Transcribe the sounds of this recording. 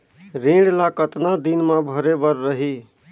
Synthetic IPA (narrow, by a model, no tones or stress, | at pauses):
ɾẽːɽlakət̪nad̪inmãbʱəɾebəɾːəɦi